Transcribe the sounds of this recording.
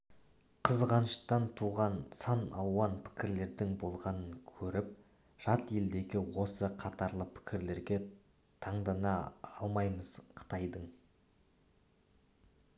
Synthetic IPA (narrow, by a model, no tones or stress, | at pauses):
qʰəzʁɑnəʃt̪ɑnt̪ʰuʁɑnsɑnɑ̰lˠwɑnpʰɪ̥kʲɪɾle̞ɾd̪ɪŋbo̞lˠʁɑnəŋkʲʰɵɾɪp̚ | ʒ̥ɑt̪e̞ld̪e̞ɡʲɪwo̞səqʰɑt̪ɑɾlˠəpʰɪ̥kʲɪɾle̞ɾɡʲe̞ | t̪ʰɑɴd̪ɑnɑɑlˠmɑjməz̥qʰə̥t̪ɑjd̪əɴ